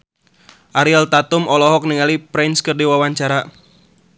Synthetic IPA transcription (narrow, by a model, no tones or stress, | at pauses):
ʔaɾialt̪at̪ʊmɔlɔɦɔk̚niŋalipɾɛnskərdiwawaɲt͡ʃaɾa